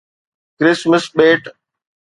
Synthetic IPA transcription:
kɾɪsməsɓeːʈ

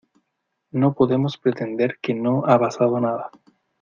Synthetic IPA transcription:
nopoðe̞mospɾet̪e̞nd̪e̞ɾkenoapasaðonaða

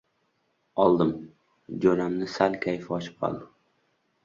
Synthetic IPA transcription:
ɒlˠd̪ɪm | d͡ʒoɾamnɪsalkʲʰajɪfɪɒt͡ʃʰɪ̥p̚qʰɒ̰lˠd̪ɪ

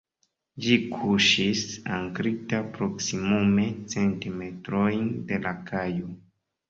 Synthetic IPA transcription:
d͡ʒikʰuʃisaŋkɾitapɾo̞ksimume̞t͡se̞ntime̞tɾo̞jnde̞lakʰajo

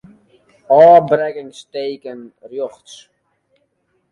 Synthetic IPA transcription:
ɔːbrɛkɪŋsteːkənrjɔχts

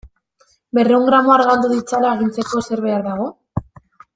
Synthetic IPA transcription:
be̞re̞uŋɡɾamo̞aɾɣald̪uðit͡salaeɣ̞int͡se̞ko̞se̞ɾβe̞aɾðaɣ̞o̞

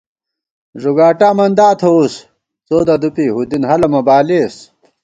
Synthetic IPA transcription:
ʐuɡaːʈaːmɐnd̪aːt̪ʰous | t͡soːd̪ɐd̪upiːɦud̪inhɐlɐmɐbaːles

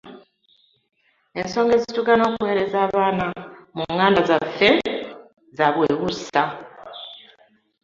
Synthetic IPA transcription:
e̞nso̞ːŋɡe̞zitukano̞ːkuwe̞ːɾe̞zaːβaːnamuŋːaːndazafe̞ | zaβweːɣusa

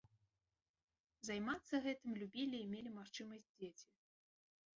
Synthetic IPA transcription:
zajmat̪sːɐɣɛt̪ɨmlʲubʲilʲiːmʲelʲimaxt͡ʂɨmɐsʲd͡zʲd͡zʲet͡sʲi

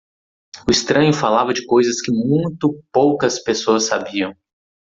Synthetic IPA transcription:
ʊist̪ɾɐ̃ɲʊfalavɐd͡ʒɪkojzɐskɪmũj̃t̪ʊpowkɐspesoɐsːabiɐ̃w̃

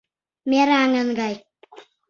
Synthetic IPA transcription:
meɾaŋənɡaj

